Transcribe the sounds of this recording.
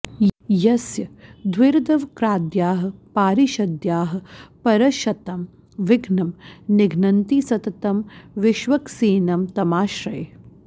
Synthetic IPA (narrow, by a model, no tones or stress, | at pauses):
jɐsjɐd̪ʱwɪɾd̪ɐʋkɾaːd̪jaːɦɐ̆paːɾiʃɐd̪jaːɦɐ̆pɐɾɐʃɐt̪ɐm | ʋɪɡʱnɐmnɪɡʱnɐnt̪iːsɐt̪ɐt̪ɐmʋɪʃʋɐksiːnɐmt̪ɐmaːʃɾɐj